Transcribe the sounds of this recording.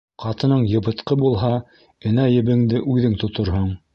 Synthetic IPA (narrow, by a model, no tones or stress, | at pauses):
qɑt̪ɤ̆nɤɴjɤ̆bɤ̆t̪qɤbulˠɦɑ | ɘ̆næjɘ̆βɘ̆ŋd̪ɘʔʉðɘŋt̪ŏt̪ŏɾɦoɴ